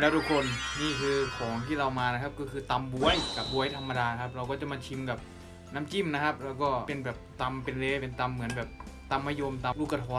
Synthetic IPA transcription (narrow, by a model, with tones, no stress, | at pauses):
lɛː˦˥wt̪ʰu˦˧˥kʰo˧nniː˥˩kʰɯː˧kʰɔː˩˦ŋt̪ʰiː˥˩ɾa˧wmaː˧na˦˥kʰa˦˥p̚kɔː˥˩kʰɯː˧t̪a˧mbu˧əjka˨˩p̚bu˧əjt̪ʰa˧mːa˧daː˧na˦˥kʰa˦˥p̚ɾa˧wkɔː˥˩t͡ɕa˧˩˨maː˧t͡ɕʰi˧mka˨˩p̚ | naː˦˥˨mt͡ɕi˥˩mna˦˥kʰa˦˥p̚ɾa˧wkɔː˥˩pe˧nbɛː˨˩p̚t̪a˧mpe˧nleː˧˩pe˧nt̪a˧mːɯ˩˦nbɛː˨˩p̚ | t̪a˧mːaː˧˥˨jo˧mt̪aː˧lu˦˧˥ka˧t̪ʰɔː˧